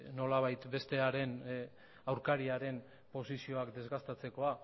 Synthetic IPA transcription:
no̞laβ̞ajt̪be̞st̪e̞aɾe̞n | awɾkaɾiaɾe̞n | po̞sisio̞akd̪e̞zɣast̪at͡se̞ko̞a

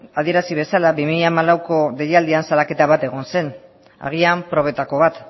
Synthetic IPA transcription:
aðie̞ɾasiβ̞e̞salaβimiʎamalawko̞ðe̞jald̪iansalake̞t̪aβat̪e̞ɣ̞o̞nse̞n | a̰ɣ̞iampɾo̞β̞e̞t̪ako̞β̞at̪

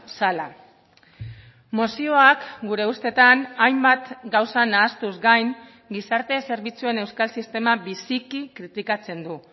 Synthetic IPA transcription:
sala | mosio̞akɡuɾe̞ust̪e̞t̪anajmbat̪ɡawsanaːst̪uzɡajŋ | ɡisaɾt̪e̞se̞ɾβ̞it͡sue̞ne̞wskalsist̪e̞maβisikikɾit̪ikat͡se̞nd̪u

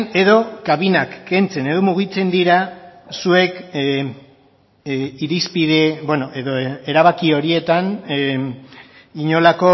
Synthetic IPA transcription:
ne̞ðo̞kaβinakːe̞nt͡se̞ne̞ðo̞muɣit͡se̞nd̪iɾasue̞k | iɾispiðebwenoe̞ðoe̞ɾaβakio̞ɾie̞t̪an | iɲo̞lako̞

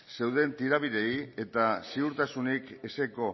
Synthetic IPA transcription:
se̞wðe̞nt̪iɾaβiðe̞je̞t̪asiuɾt̪asunike̞seko̞

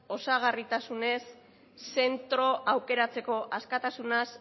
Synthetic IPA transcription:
o̞saɣ̞arit̪asune̞sː | e̞nt̪ɾo̞ʔawke̞ɾat͡se̞ko̞ʔaskat̪asunas

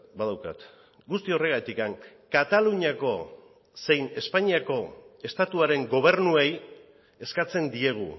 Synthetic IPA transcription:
baðawka̰t̪ | ɡust̪io̞re̞ɣ̞at̪ikaŋ | kat̪aluɲiako̞ | se̞jne̞spaɲiako̞e̞st̪at̪uaɾe̞ŋɡo̞β̞e̞ɾnuej | e̞skat͡se̞nd̪ie̞ɣ̞ṵ

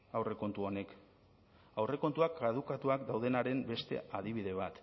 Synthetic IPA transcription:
awre̞ko̞nt̪uo̞ne̞k | awre̞ko̞nt̪uakað̞ukat̪uakd̪awð̞e̞naɾe̞mbe̞st̪e̞̰aðiβiðe̞β̞at̪

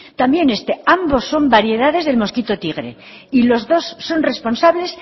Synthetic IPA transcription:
t̪ambje̞ne̞st̪eambo̞sːo̞mbaɾje̞ðaðe̞zðe̞lmo̞skit̪ot̪iɣ̞ɾe̞̰ | ilo̞zðo̞sːo̞nre̞spo̞nsaβle̞s

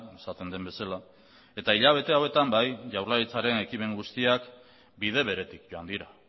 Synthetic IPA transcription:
esat̪e̞nd̪e̞mbe̞sala | e̞t̪aiʎaβ̞e̞t̪e̞awe̞t̪ambajʝawrlaɾit͡saɾe̞ne̞kime̞ŋɡust̪iak | bið̞e̞β̞e̞ɾe̞t̪ikʝo̞and̪iɾa

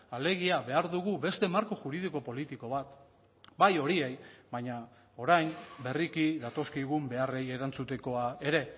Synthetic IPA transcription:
ale̞ɣ̞iaβe̞aɾðuɣ̞uβe̞st̪e̞maɾkoʝuɾið̞iko̞po̞lit̪iko̞βat̪ | bajo̞ɾiejbaɲa | o̞ɾajnbe̞rikiðat̪o̞skiɣumbe̞are̞je̞ɾant͡sut̪e̞ko̞ae̞ɾe̞

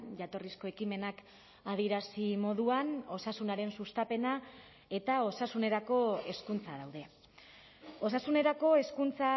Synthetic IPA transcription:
ʝat̪o̞risko̞e̞kime̞nak | aðieɾasimo̞ðuano̞sasunaɾe̞nsust̪ape̞na | e̞t̪ao̞sasune̞ɾako̞e̞skunt͡saðawðe̞ | o̞sasune̞ɾako̞e̞skunt͡sa

